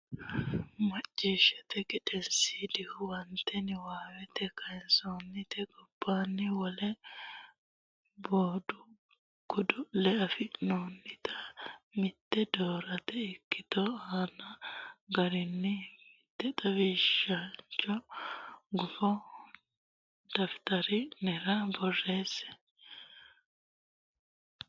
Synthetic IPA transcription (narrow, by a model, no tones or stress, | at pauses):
mɐt͡ʃʼːiʃɛt̪ɛᶑkʼɪᶑɛnsid̪ɪhʊwɐnt̪ːɛnɪwaːwɛt̪ɛkʰɐjɛnsoːnːɪt̪ɛɡɔb̥ːaːnːɪwɔlɛ | boːd̪ʊ | kʊd̪ʊlɛɐfɪnoːnːɪt̪ʰɐmɪt̪ːɛd̪oːɾɐt̪ɛɪkːɪt̪ɔaːnɐɡɐɾɪnːɪmɪt̪ːɛt̪ʼɐwiʃant͡ʃːɔ | ɡʊfɔ | d̪̥ɐfɪ̥t̪ɐɾɪnɛɾɐbɔrːe̞ːsɛ̥